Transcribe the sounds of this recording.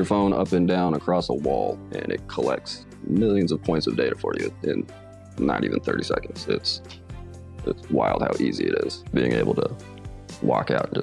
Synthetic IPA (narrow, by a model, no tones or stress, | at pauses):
ə˞fõʊ̃nʔʌpɨ̃ndãʊ̃nəkʰɹ̥ɔsəwɔlˠɨ̃nɨt̚kʰəlɛk̚ts | mɪlˠjɨ̃nzʌv̥pʰɔ̃ɪ̃ntsʌvdeɪɾəfə˞jʉɪ̃nː | ə̰ɾiṽn̩θɜ̰˞ɾisɛ̰kn̩dz̥ɪts | ʔɪtswaɪlˠd̚haʊʔiziɨɾɪz̥b̥iɪ̃ŋḛɪbl̩ˠtʰə | wɔkaʊtn̩d͡ʒʌ